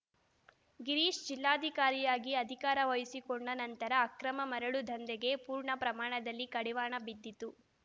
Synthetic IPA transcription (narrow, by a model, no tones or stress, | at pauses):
ɡiɾiːʂd͡ʒilːaːd̪ʱikaːɾijaːɡiɐd̪ʱikaːɾɐʋɐjisikoɳɖɐnɐnt̪ɐɾɐːkɾɐmɐmɐɾɐɭud̪ʱɐnd̪ɛɡe̞puːɾɳɐpɾɐmaːɳɐd̪ɐlːikɐɽiʋaːɳɐbid̪ːit̪u